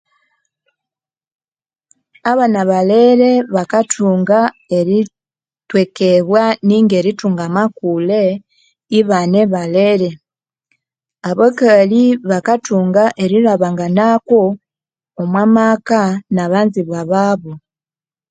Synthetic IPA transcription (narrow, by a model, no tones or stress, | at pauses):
aβanaβaleɾeβakatʰuːŋɡa | eɾi | twekeβwaniːŋɡeɾituːŋɡamakule | iβaneβaleɾe̞ | aβokaliβakatuŋɡaʔeɾiɾaβaŋɡanako | omwamakanaβaːnziβwaβaβo